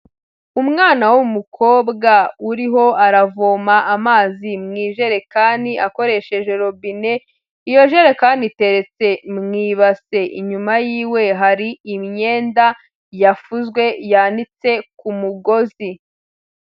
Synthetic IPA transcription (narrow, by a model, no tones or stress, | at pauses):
umŋaːnawumukʰo̞ːbɡauɾiɦo̞aɾavoːmaʔamaːzimŋiːʒe̞ɾe̞kaːndiʔako̞ɾe̞ʃe̞ʒe̞ɾo̞βine̞ | ijo̞ʒe̞ɾekaːndite̞ɾe̞t͡se̞mŋiːβase̞ʔiɲumajiːwe̞ɦaɾiːmɲe̞ːnda | jafuzɡwe̞jandit͡se̞kumuɡo̞zi